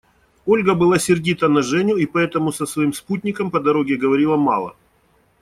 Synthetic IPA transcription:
o̞lʲɡəbɨlˠasʲɪrdʲit̪ənɐʐɛnʲʊipɐɛt̪əmʊsəsvɐimsput̪ʲnʲɪkəmpɐd̪ɐɾo̞ɡʲɪɡəvɐɾʲilˠəmɑ̰lˠə̰

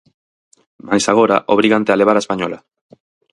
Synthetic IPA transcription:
majsaɣ̞oɾaʔoβ̞ɾiɣant̪ealeβ̞aɾaespaɲola

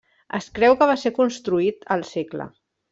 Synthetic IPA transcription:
ə̰skɾɛwkəβ̞aseɾkunst̪ɾuit̪əlˠseklə̰

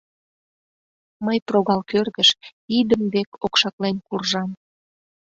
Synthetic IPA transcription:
məjproɣɑlkørɣəʃid̪əmβekokʃɑklenkurʒɑm

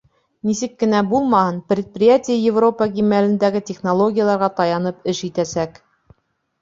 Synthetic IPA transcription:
nisɘkːɘ̆næbulˠmɑhɤnprʲɪt̪̚prʲɪjatʲɪjəjɪvro̞pəɡimælɘ̆nd̪æɡɘtʲeχnolˠo̞ɡʲɪjəlˠɑɾʁɑt̪ɑjɑnɤpɘʃit̪æsæk

